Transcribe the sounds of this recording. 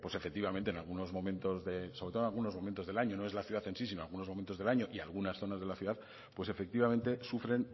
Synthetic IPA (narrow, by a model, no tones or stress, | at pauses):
pwo̞se̞fek̚t̪iβament̪enalɣuno̞zmo̞mẽnt̪o̞zðe̞so̞βet̪onalɣuno̞zmomẽnt̪o̞zðe̞laɲono̞e̞zlaθjuðaθe̞nsis̬inoalɣuno̞zmo̞ment̪oðe̞laɲo̞ʔialɣunasθo̞nazðe̞laθjuðað | pwe̞se̞fe̞k̚t̪iβamẽnt̪e̞sufɾe̞n